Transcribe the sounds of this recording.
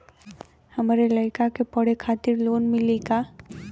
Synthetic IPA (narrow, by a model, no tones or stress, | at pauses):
həmɾeləɪkakepəɽ̤ekʰaːt̪ɪɾloːnmɪleɡaː